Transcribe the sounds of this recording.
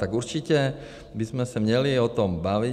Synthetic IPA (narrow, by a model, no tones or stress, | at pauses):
t̪aɡuɾt͡ʃicɛ | bizmɛsamɲɛliɔt̪ɔmbaʋi